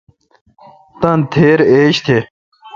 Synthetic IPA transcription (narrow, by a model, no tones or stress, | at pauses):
t̪ɐnt̪ʰeːɾeːɕt̪ʰe